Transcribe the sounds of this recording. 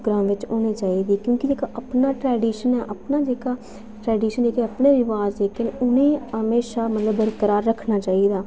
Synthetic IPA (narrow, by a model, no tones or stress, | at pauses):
ɡɾaːmʋɪt͡ʃoːɽ̃iːt͡ʃaːiːd̪iːkjõːkid͡ʒeːkaʔəpnaːʈɾɛːɖiːʃənɛːʔəpnaːd͡ʒeːkaː | ʈɾɛːɖiːʃənd͡ʒeːkeəpneːɾɪʋaːzd͡ʒeːkənʊnẽːɦəmeːʃaːmət̪ləbːəɾkəɾaːɾːəkʰnaːt͡ʃaːid̪aː